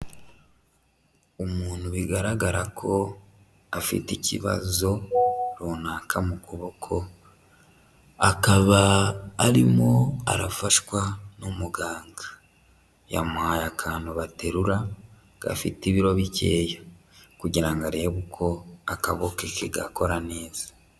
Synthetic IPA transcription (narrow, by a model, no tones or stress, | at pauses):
umuːnhuβiɡaɾaɡaɾakʰo̞ | afḭticḭβa̰zo̞ɾonaːkʰamukʰoβokʰo̞ | akaβaːɾimo̞a̰ɾafaʃkwanumuɡaːŋɡa | ja̰muhajakʰaːnuβate̞ɾuɾa | ɡ̥a̰fḭtiβiɾo̞βice̞ːja | kuɟiɾaŋɡaɾe̞ːβukʰo̞akaβokekeɡako̞ɾane̞ːz̥ḁ